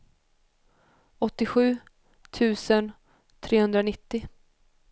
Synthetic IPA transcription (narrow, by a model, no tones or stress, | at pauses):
ɔt̪ːɪɧʉ̟ː | t̪ʰʉ̟ːsən | t̪ʰɾeːhɵnd̪ɾanɪt̪ːɪ